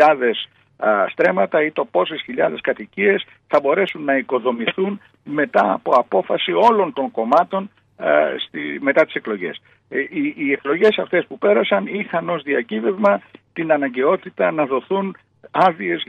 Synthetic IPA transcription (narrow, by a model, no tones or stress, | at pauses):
ɐðe̞s | st̪ɾe̞mɐt̪ɐit̪o̞po̞sesçiʎɐðe̞skɐt̪icie̞s | θɐbo̞ɾe̞sunːɐiko̞ðo̞miθun | me̞t̪ɐ̰ːpo̞ɐpo̞fɐsio̞lo̞nt̪o̞ŋko̞mɐt̪o̞n | st̪ime̞t̪ɐt̪i̥se̞klo̞ʝe̞̰s | iːeklo̞ʝe̞sɐft̪e̞spupe̞ɾɐsɐnixɐno̞zðiɐcive̞vmɐt̪inɐnɐɲɟe̞o̞t̪it̪ɐnɐðo̞θun | ɐvie̞s